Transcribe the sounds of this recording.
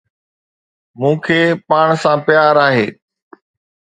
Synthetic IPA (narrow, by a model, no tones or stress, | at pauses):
mũːkʰeːpaːɽ̃sãpɪjaːɾaːɦeː